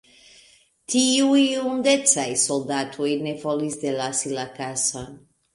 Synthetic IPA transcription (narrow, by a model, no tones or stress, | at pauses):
t̪iuiund̪etsajsold̪at̪ʰuenefolizd̪elasilakasan